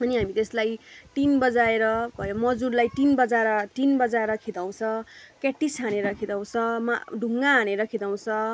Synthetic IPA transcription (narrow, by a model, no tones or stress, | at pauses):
ʌniɦamit̪eslajʈ̪inbʌd͡zaeɾʌbʱʌjomʌd͡zurlajt̪inbʌd͡zaɾʌt̪inbʌd͡zaɾʌkʰid̪aw̃t͡sʰʌ̃kaʈːisʰaneɾʌkʰid̪aw̃t͡sʰʌ̃ma̰ɖʱuŋɡaɦaneɾʌkʰid̪aw̃t͡sʰʌ̃